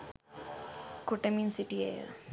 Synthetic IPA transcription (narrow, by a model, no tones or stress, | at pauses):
kuʈɐminsiʈiḛ